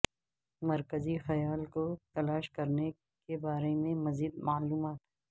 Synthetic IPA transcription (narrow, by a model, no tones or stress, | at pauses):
mɐɾkəzixɐjaːlkot̪ɐlaːʃkɐɾne | kebaːɾemẽmɐziːd̪̚maːluːmaːt̪ɦɛ